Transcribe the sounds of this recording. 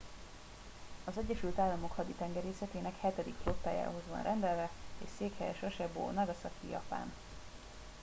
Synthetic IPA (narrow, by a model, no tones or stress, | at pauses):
ɒzɛɟːɛʃylt̪aːlːɒmo̞khɒd̪it̪ɛŋɡɛɾeːsɛt̪eːnɛkhɛt̪ɛd̪ikflot̪ːaːja̰ːɦo̞zʋɒ̰nrʔɛnd̪ɛlvɛḛːʃseːkhɛjɛʃɒʃɛbo̰ːnɒɡɒsɒkḭjɒ̰pa̰ːn